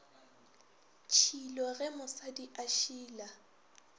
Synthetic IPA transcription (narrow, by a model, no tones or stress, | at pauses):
t͡ʃʰilɔɣɛmʊsadiʔaʃiːla